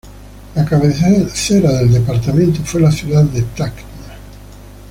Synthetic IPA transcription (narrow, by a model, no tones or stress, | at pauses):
lakaβeθeθeɾaðeld̪epaɾt̪amẽnt̪ofwelaθjuðaðːet̪akt̪na